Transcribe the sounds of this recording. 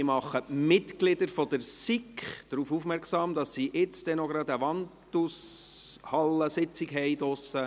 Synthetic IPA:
ɪmɑχːəmɪtɡ̥lɪd̪əɾfɔd̥əɾsikχd̥ɾuːfufmɛɾksɑːmd̥̪ɑsːiʔɪt͡sd̥ɛnɔɡɾɑd̪əʋɑntushɑlːəsɪt͡sɪkɦɛɪdɔsə

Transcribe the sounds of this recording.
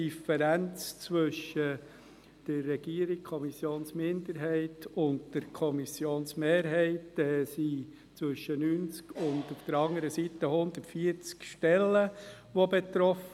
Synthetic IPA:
ifɛɾænt͡st͡sʋɵʃə | d̥əɾːɛɡ̥iəɾikkʰɔmisjoːnsmɪnd̪əɾɦɛɪtʰʊndd̥əɾkʰɔmisjoːnsmeːɾɦɛɪtɛsi | t͡sʋʏʃːənyːnt͡skʊndufd̥̪əɾɑŋəɾəsit̪əhʊnd̪ətfiəɾt͡skʃtɛlːəʋobet̪ɾɔf

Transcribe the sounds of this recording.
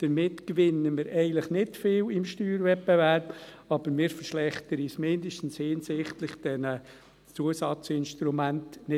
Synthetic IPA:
d̪̥əɾmɪtkʋɪnːəmɪːɾɛɪɡən̩tləχnɪtfɪːlɪmʃtyːɾvɛpːɛvæɾp | ɑb̥əɾmɪːɾfəɾʃlɛχtəɾismɪndəʃtən̩shɪnsɪχtlɪχd̥ɛnə | t͡suəsɑt͡sɪnʃtɾumæntnɪ

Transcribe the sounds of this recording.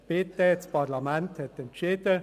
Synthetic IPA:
peːt̪ːɛːspɑʁlɑmɛnthɛt̪ɛnt͡ʃeːd̥̪ə

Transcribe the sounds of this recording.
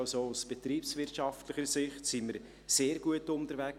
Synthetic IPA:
sousb̥ɛtɾiːpsvɪrtʃɑftlɪχəɾsɪχtsiməɾ | seːɾɡ̥uətʊntəɾvæk

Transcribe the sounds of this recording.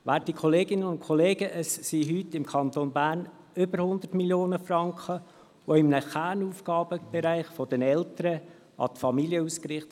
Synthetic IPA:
ʋæːtikʰɔleːɡɪnənʊnkʰɔleːɡəʔəssiɦytɪmkʰɑnt̪onbæːrn | ʏbəɾhʊnd̪ətmiljoːnəfrɑŋkχə | ʋoɪmənəχæːnuːfɡɑːbəb̥ɛɾæɪχfɔdənɛlt̪əɾə | ɑ̰t̪fɑmiliəuːskɾɪχt

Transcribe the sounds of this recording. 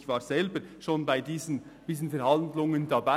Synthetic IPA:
çvaːɾz̥ɛlbəɾʃoːnbaɪdiːzənd̥iːszən̩fɛɾhɑndlʊŋəndɑba

